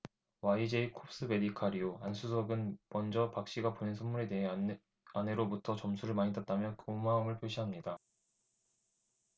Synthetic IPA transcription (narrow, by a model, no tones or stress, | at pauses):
waid͡ʑe̞ikʰop̚s͈ɯbe̞ɾikʰaɾioansʰus̬ʰʌɡɯnmʌnd͡ʑʌpak̚ɕ͈iɡaponensʰʌnmuɾe̞deɦe | ane̞ɾobutʰʌt͡ɕʌmsʰuɾɯɭmaɲitat̚t͈amjʌkɯmaɯmɯɭpʰjoɕʰiɦamɲida